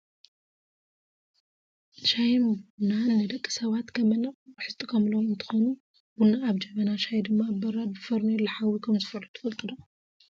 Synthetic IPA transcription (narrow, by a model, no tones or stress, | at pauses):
ʃajmbunanːɨd̪ɐkʼːi̥sɐβat̪kʰɐmɐnɐχʼbɨħɨst̪ʼikʰɐmlonɨnt̪ʰɨ̥xonu | bunaːβd͡ʒɐmɐnaʃajd̪ɨmːabɐɾabɨfɐɾnɛlɐħawikʰɐmzɨfɐɾut̪ʰɨ̥fɐlt̪ʼɨd̪o